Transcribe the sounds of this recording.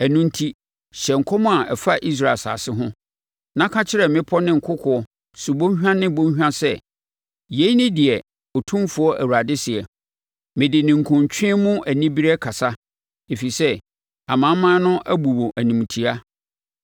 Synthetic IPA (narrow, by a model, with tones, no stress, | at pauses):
æ˨nũ˦n̩˦tʰi˦ | ɕɛ˨ŋ̩˨kʰɔ˦mʊ̃˦a˨ɛ˨fa˦ʔi˦s̬ɾa˦˨sa̰ː˨sɪ˦ɦʊ̃˦ | nã˦kʰa˦t͡ɕʰɪ˦ɾɛ˨mɪ̃˦pʰɔ˦nɪ̃˦ŋ̩˨kʰʊ˦kʰɔ˨˦ɔ˦ | su˨bõ˦ɦᶣã˦nɪ̃˦bõ˦ɲ˦ɦᶣã˦sɛ˦ | je˨˦i˦nɪ̃˦dɪ˨ɛ˨ | ɔ˨tʰũ˦mfʊ˨ɔ˦ʔæ˨wu˨ɾa˨dɪ˦sɪ˨ɛ˨ | mɪ̃˨dɪ˨nɪ̃˨ŋ̩˨kʰʊ̃˨ɲ˨t͡ɕᶣʰĩ˦ɛ˦mʊ̃˦ʔæ˨nĩ˦bi˦ɾɛ˦kʰa˨sa˦ | e˨fi˨sɛ˦ | a˨mã˨˦mã˦nʊ̃˦ʔæ˦bu˨wo˨ʔæ˨nĩ˨m˨tʰi˨a˦